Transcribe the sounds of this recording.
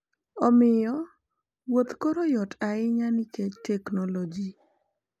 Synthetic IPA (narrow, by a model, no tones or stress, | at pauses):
ɔmɪjɔ | wot̪koɾojɔtʰaɪɲanɪket͡ʃtɛknɔlod͡ʒi